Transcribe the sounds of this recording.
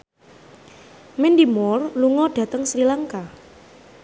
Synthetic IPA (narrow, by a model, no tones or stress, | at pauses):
mɛndimɔrluŋɔɖ̥ä̤t̪əŋsɾilaŋka